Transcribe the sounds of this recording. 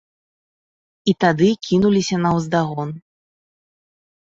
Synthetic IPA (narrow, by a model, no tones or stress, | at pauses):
it̪ad̪ɨkʲʰinulʲisʲɐnɐwzd̪aɣɔn